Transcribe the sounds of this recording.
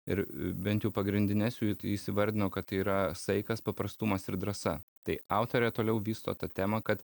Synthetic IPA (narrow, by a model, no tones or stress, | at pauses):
ɪ̰ɾbʲɛnt̪jɛʊpɐɡɾʲɪnd̪ʲɪnʲɛsjuisʲɪʋɐɾʲd̪ʲɪnoːkɐt̪t̪ːɐɪiːɾɐsɐɪkɐspɐpɾɐst̪umɐsɪɾd̪ɾɐsɐt̪ɐɪɑˑʊt̪oːɾʲɛt̪oːlʲɛʊʋʲiːst̪o̰ːt̪ɐt̪ʲæːmɐkɐt̪